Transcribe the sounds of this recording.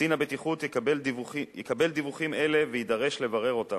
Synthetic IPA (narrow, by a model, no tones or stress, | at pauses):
inabet̪iχut̪eelvijekabe̞ld̪ivuχime̞le̞vejid̪aʁe̞ʃle̞vaʁe̞ʁo̞ta